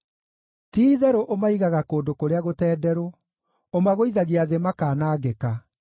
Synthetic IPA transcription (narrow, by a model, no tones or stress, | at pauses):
tiːðɛɾoʔomaiɣaɣakoːndokoɾeaɣotɛːdɛɾo | omaɣoiðaɣiaðemakaːnaːɡɛka